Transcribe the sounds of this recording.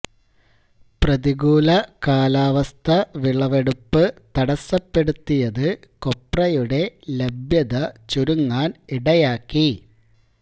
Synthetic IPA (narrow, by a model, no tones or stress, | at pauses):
prɐðiɣuːlɐkaːlaːʋɐst̪ʰɐʋiɭɐʋe̞ɽupːɨt̪ɐɽɐsːɐpːe̞ɽut̪ːijɐðɨ | ko̞pːrɐjuɽe̞lebʱjɐðɐt͡ɕuɾuŋːaːniɽɐjaːkːi